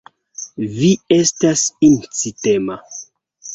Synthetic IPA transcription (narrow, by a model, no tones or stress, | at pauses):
viestasint͡sitema